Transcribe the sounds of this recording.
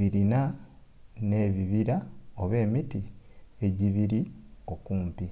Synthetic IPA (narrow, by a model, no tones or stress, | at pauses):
iɾina | ne̞ːβiβiɾaoβe̞ːmitie̞ɟiβiɾio̞kuːmpi